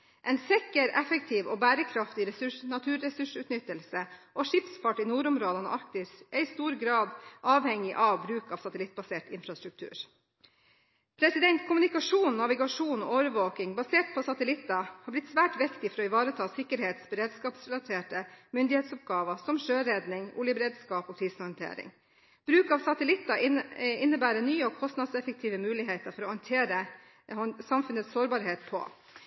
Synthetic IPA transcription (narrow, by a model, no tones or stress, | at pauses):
ʔɛnsɛkəɾɛfəkt̪ʰiːʋo̰bæːɾəkʰɾɑft̪ɪɾɛsʉʂnɑt̪ʰʉːɾːɛsʉʂʉːt̪nʏt̪ːəlsəʔoʂɪpspʰɑʈːɪnuːɾʊmɾoːd̪ənə̰ʔɑɾk̚t̪ɪsɛɪst̪uːɾɡɾɑːd̪ʔɑːʋhɛŋɪʔɑʋbɾʉːkɑːʋsɑt̪əlɪt̪̚ːbɑseːʈɪnfɾɑst̪ɾʉk̚t̪ʰʉ̰ːɾ | pʰɾɛsɪd̪ɛnt̪kʰʊmənɪkɑʂuːnnɑʋɪɡɑʂuːnɔʔoːʋəɾʋoːkɪŋbɑseːʈ̚pʰɔsɑt̪əlɪt̪ːəhɑɾblɪt̪sʋæːʈʋɪkt̪ɪfɔɾɔɪʋɑːɾət̪ʰɑːsɪkːəɾheːt̪sbəɾeːd̪skɑːpsɾɛlɑt̪ʰeːʈəmʏnd̪ɪheːt̪sɔp̚ɡɑːʋəsɔmʂøːɾɛːd̪nɪŋʊ̰ljəbɾeːd̪skɑːpɔːkʰɾiːshɑnt̪ʰḛːɾɪ̰ŋ | b̥ɾʉːkɑʋsɑt̪əlɪt̪ːɑɪɪnːəbæːɾənyːəɔːkʰɔst̪nɑd̪sɛfək̚t̪ʰiːʋəmʉːlɪɦeːt̪əɾfɔɾɔːhɑnt̪ʰeːɾə | sɑmfʉnət̪ssoːɾbɑːɾɦeːt̪̚pʰɔ̰